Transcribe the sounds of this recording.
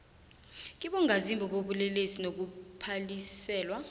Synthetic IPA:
k̬iɓɔŋazimbʱɔɓoɓulɛlesinok̬upʰalisɛːlwa

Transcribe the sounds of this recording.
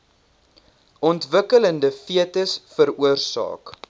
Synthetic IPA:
ʔɔntvəkələndəfiətəsfəɾuərsɑ̰ːk

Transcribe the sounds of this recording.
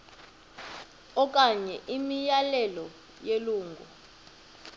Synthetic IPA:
ɔk̬ʼaɲɛʔimijalɛlɔ | jeluːŋɡʱṵ

